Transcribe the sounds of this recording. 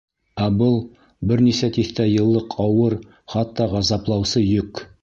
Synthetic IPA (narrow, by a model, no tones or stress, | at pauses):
æbɤlˠ | bɪɾnisæt̪ʰeθt̪æjɤ̆lˠːɤqʰɑwɤɾ | χɑt̪ːɑʁɑzɑplˠɑwsɤjɵk